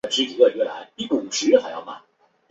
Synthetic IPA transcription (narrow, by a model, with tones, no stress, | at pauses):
ʈ͡ʂɻ̩˧˥t͡ɕi˧˥ə˧˩ɥɛ˥˩la˧˥ɪi˥˩pu˨˩ʂɻ̩˧˥xa˧˥ɪjɑ̰˥˧˩ʊma̰˨˩n